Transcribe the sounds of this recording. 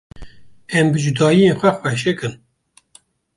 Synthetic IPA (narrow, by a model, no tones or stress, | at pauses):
ɛmbɨd͡ʒud̪ɑːjijenxʷɛxwɛʃ̬ekɨn